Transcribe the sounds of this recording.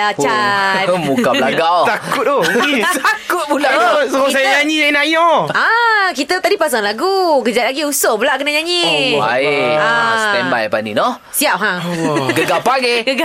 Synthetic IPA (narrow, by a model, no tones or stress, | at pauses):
at͡ʃatmukabəlaɡawt̪akʊt̪̚ot̪akʊt̪̚bulasɔs̬ajɲaɲijainajɔakit̪ət̪adipas̬aŋlaɡukəd͡ʒat̚laɡiusobəlaʔkənaɲaɲiwaeastɛmbajpanḭno | siap̚ɦãɡəɡapaɡeɡəɡa